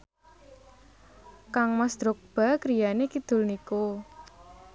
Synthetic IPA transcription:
kaŋmasd̪̥ɾʊk̚b̥a̤kɾijanekid̪̥ʊ̤lniko

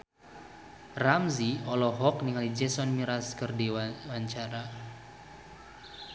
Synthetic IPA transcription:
ramziɔlɔɦɔk̚niŋalid͡ʒɛsɔnmiɾaskərdiwawaɲt͡ʃaɾa

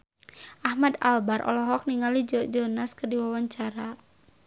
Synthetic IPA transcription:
ʔahmad̪albaɾʔɔ̰lɔɦɔk̚niŋalid͡ʒɔd͡ʒɔnaskərdiwawaɲt͡ʃaɾa

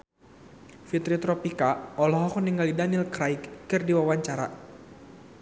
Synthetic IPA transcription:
fit̪ɾit̪ɾɔpikaɔlɔɦɔkɔniŋɡalidanilkɾajkːɨrdiwawaɲt͡ʃaɾa̰

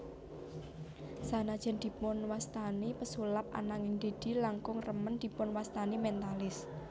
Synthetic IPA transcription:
sanad̥ʒ̥ɛ̤nd̪̥i̤pʊnwast̪anipəsulap̚ʔa̰naŋɪŋd̪̥e̤d̪̥i̤laŋkʊŋrəmənd̪̥i̤pʊnwast̪animɛnt̪alɪs

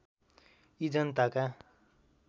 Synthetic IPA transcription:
id͡zʌnt̪aka

